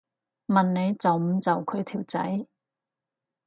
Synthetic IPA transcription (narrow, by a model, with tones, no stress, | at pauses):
mɐ˨nne˨˧jt͡sɐ˨wm̩˨˧t͡sɐ˨wkʰɵ˨˧ɥt̪ʰiː˨˩wt͡sɐ̰˨˥j